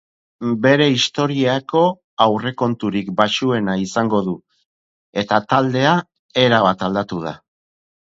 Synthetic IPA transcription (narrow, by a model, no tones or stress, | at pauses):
be̞ɾe̞ist̪o̞ɾiako̞ | awre̞ko̞nt̪uɾikbaʃue̞naisaŋɡo̞ðu | e̞t̪at̪ald̪e̞a | e̞ɾaβat̪ald̪at̪uð̞a